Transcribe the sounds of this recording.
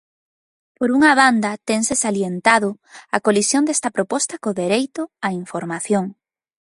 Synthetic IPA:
poɾuŋɐβand̪ɐt̪eŋsɪsaljent̪aðʊ | ɐkolisjond̪ɛst̪ɐpɾopɔst̪ɐkoðeɾejt̪ʊaiɱfoɾmaθjoŋ

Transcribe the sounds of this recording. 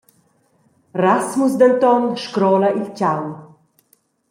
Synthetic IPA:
rasmusd̪ant̪ɔnʃkɾɔːlaʔilcaw

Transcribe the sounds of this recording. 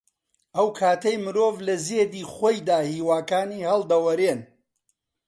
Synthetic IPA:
ʔɐwkʰaːt̪ɐjmɨɾoːvlɐzeːd̪iːχoːjd̪aːhiːwaːkaːniːhɐlˠd̪ɐwɐɾen

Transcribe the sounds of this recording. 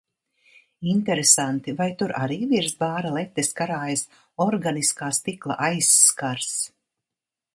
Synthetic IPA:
int̪ɛɾesant̪ivajt̪uɾʔa̰ɾiːviɾsbaːɾalˠɛt̪ːeskaɾaːjas | ɔɾɡaniskaːst̪iklˠa̰ʔajsːkaɾs

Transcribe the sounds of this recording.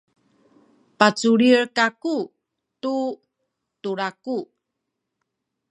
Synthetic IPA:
pat͡suɾiɾkaku | tu | tuɾaku

